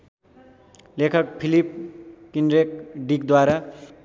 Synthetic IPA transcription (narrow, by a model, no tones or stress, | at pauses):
lekʰʌk̚pʰilipkinɾekɖikd̪waɾa